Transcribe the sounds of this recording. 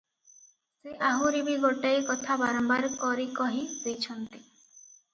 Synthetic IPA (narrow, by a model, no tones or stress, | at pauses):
seʔaɦuɾibiɡɔʈajkɔt̪ʰabaɾɔmbaɾkɔɾikɔɦizejt͡ʃʰɔnt̪i